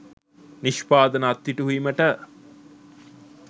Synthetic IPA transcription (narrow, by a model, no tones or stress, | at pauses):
niʃpaːd̪ənaːt̪ːiʈuɦuiməʈə